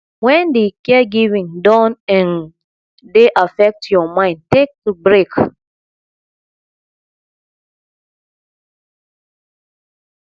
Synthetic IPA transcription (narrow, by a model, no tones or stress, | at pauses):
wɛ̃ndekɛɡivĩŋdɔ̃nɛ̃n | deʔafɛk̚tjɔmãɪ̃nd̚tek̚tubɹek